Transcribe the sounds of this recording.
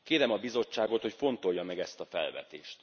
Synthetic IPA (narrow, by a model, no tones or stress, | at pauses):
keːɾɛmɒbizo̞t͡ʃːaːɡo̞t̪ho̞cfo̞nt̪o̞jːɒmɛɡɛst̪ɒfɛ̰lvɛ̰t̪ḛːʃt̪